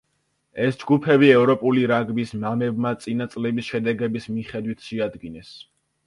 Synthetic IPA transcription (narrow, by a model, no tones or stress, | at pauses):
ɛsd͡ʒɡupʰɛbiɛvɾɔpʼuliɾaɡbismamɛb̚mat̪sʼinat̪sʼlɛbisʃɛd̪ɛɡɛbismiχɛd̪wit̪ʰʃɛad̪ɡinɛs